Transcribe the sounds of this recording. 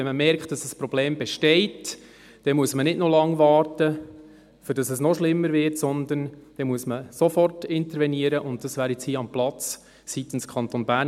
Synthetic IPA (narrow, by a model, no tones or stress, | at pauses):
ɛnməmɛɾkt̚d̥ɑsəsprɔb̥leːmbɛʃtɛɪt | d̥ɛmuəsmənɪdnɔlɑŋʋɑːrtə | fʏɾd̥ɑsɛsnɔʃlɪmːəɾvɪtsɔnd̪ənd̥ɛmuəsməsɔfɔrtɪnt̪əɾvɛniəɾəʔʊnt̚d̥ɑsvæːɾjɛt͡shiːɑmplɑt͡s | sit̪ən̩skʰɑnt̪onbæːn